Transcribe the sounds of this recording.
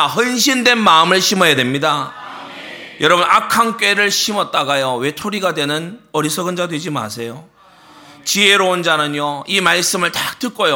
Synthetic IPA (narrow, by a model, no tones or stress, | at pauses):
hʌnɕʰindwe̞nmaɯmɯɭɕʰimʌjedwe̞mɲida | jʌɾʌbunakʰank͈we̞ɾɯɭɕʰimʌt̚t͈aɡajowe̞tʰoɾiɡadwe̞nɯnʌɾisʰʌɡɯnd͡ʑadwe̞d͡ʑima̰sʰe̞jo | t͡ɕie̞ɾound͡ʑanɯɲjoimaɭs͈ɯmɯɭtat͈ɯk͈ojo